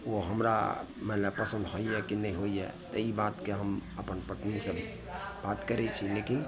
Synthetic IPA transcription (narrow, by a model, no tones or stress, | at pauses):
ʋoɦɐmɾa̰ | mɛləb̚pəsə̃nd̪ɦoːiɦɛkinɐɦĩɦoːiɦɛ̰t̪oibaːt̪keɦəmɐpənpəʈnise | baːt̪kəɾet͡ʃʰileːkɪn